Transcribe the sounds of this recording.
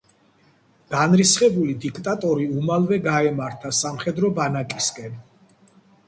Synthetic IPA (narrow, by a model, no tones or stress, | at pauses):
ɡ̥anɾisχɛbulid̪ikʰt̪ʼat̪ʼɔɾiumalˠvɛɡaɛmaɾt̪ʰasamχɛd̪ɾɔbanakʼiskʼɛn